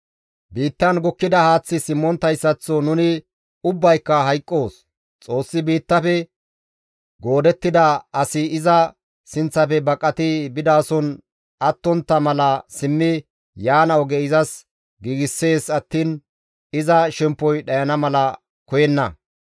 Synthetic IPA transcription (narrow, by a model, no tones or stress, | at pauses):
biːt̪ːɐnɡɔkːɪd̪ɐhaːt͡sːɪsɪmːɔnt̪ɐjsːɐt͡sːɔnʊnɪ | ʊbːɐjkːɐɦɐjkʼːo̞ːs | t͡sʼo̞ːsːɪbiːt̪ːɐfɛ | ɡo̞ːd̪ɛt̪ːɪd̪ɐɐsɪɪzɐ | sɪnt͡sːɐpɛbɐkʼːɐt̪ɪbɪd̪aːsɔn | ɐt̪ːɔnt̪ːɐmɐlɐsɪmːɪ | jaːnɐwɔɡɛɪzɐs | ɡiːɡɪsːe̞ːsɐt̪ːiːn | ɪzɐʃɛmpːɔjɗɐjɐnɐmɐlɐ | kɔjɛnːɐ̰